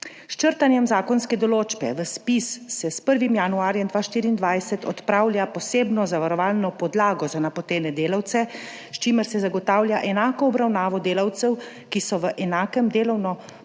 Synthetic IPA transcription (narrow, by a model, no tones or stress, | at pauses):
st͡ʃəɾt̪anjɛmzaːkɔnskɛd̪ɔloːd͡ʒbɛ̰ʋəspisːɛspəɾʋimjanuaːɾjɛmd̪ʋaːʃt̪iːɾiːnd̪ʋajsɛt̪ɔt̪pɾaːwlʲjapɔseːbnɔzaʋaɾɔʋaːlnɔpɔd̪laːɡɔzanapɔt̪eːnɛd̪eːlawt̪sɛ | st͡ʃiːməɾsɛzaɡɔt̪aːwljaʔɛnaːkɔːbɾawnaːʋɔd̪eːlawt̪sɛw | kisɔʋəʔɛnaːkəmd̪eːlɔwnɔ